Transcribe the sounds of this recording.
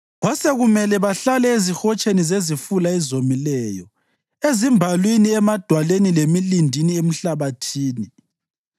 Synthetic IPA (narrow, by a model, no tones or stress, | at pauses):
βɔsɛɣumɛlɛβaɬalɛezixɔt͡ʃʰʼenizezifulaɛzomilɛːjɔ̰ | ezimbʱalwiniɛmad̥ʱwalenilemilindʱiniem̩ɬaβatʰiːni